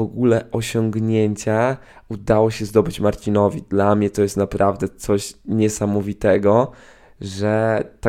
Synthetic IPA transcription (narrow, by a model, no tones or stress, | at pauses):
ɔɡulɛʔɔɕɔŋɡɲeɲt͡ɕa | ud̪awɔɕɛzd̪ɔbɘt͡ɕmaɾt͡ɕinɔvʲid̪lamɲɛt̪ɔjɛst̪napɾavd̪ɛt̪sɔɕɲɛsamɔvʲit̪ɛɡɔ | ʐɛt̪a